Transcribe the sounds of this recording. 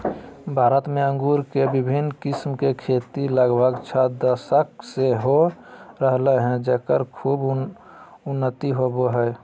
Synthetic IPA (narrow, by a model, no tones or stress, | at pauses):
bʱaːɾət̪meə̃ŋɡuɾkebibʱinːkɪsmkekʰet̪iləɡbʱəɡt͡ʃʰad̪əsəkseɦoɾəɦleɦɛ̃d͡ʒeːkəɾkʰuːb | ʊnːət̪iɦoboɦə